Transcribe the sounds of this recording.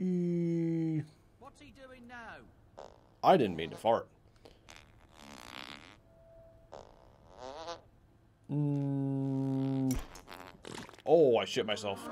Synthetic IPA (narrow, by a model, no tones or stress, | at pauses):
wtdɪ̃ŋnaʊ | ʔaɪdɪdⁿn̩mĩntəfɑɹt̚ | ʔoʊaɪʃɪt̚maɪsɛlˠf